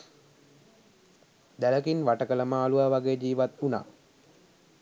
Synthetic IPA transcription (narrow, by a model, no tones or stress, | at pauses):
d̪æləkinʋaʈəkələmaːluʋaːʋaɡeːd͡ʒiːʋat̪una̰ː